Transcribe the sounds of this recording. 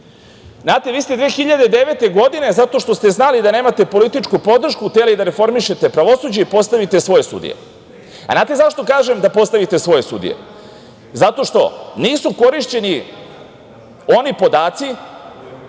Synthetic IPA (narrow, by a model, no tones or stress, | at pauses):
znaːt̪eʋiːst̪ed̪ʋeexiʎad̪ed̪e̞ʋet̪e̞ɡo̞d̪ine̞zat̪o̞ʃt̪o̞st̪e̞znalid̪ane̞ːmat̪e̞po̞lit̪it͡ʃkupo̞d̪r̩ʃkut̪elid̪aɾe̞fo̞ɾmiʃe̞t̪e̞pɾaʋo̞suːd͡ʑaipo̞st̪aʋit̪e̞sʋo̞je̞sṵd̪ḭje̞̰ | aznaːt̪e̞zaʃt̪o̞kaːʒe̞md̪apo̞st̪aʋit̪e̞sʋo̞je̞sṵd̪ḭje̞̰ | zat̪o̞ʃt̪o̞̰niːsuko̞ɾiʃt͡ɕe̞ni | o̞nipo̞d̪aːt̪si